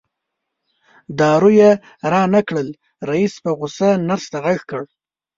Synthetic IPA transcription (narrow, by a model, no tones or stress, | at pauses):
d̪ɑɾuje | ɾɑnakɽəl | ɾaispəɣʊsanaɾst̪aɣaɣkəɽ